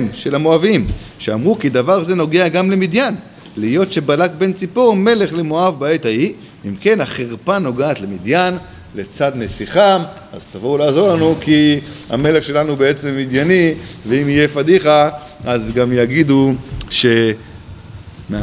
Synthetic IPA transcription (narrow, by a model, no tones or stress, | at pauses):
mʃe̞lamo̞avimʃeamʁukid̪avaʁze̞no̞ɡe̞aɡamle̞mid̪jan | lijo̞tʃe̞balak̚be̞nt͡sipo̞ʁme̞le̞χlemoavbaet̪ai | imke̞naχeʁpano̞ɡaːt̪le̞mid̪jan | le̞t͡sad̪nesiχam | a̰zt̪avoulaːzo̞lanukia̰me̞le̞χʃe̞lanuubeet͡se̞mːid̪janiveimijefadiχa | azɡamjaɡid̪uʃe̞ | m